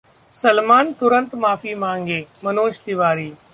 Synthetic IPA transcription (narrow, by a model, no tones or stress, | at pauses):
səlmaːnt̪ʊɾə̃nt̪maːfiːmãːŋɡeːmɐnoːʃt̪ɪʋaːɾiː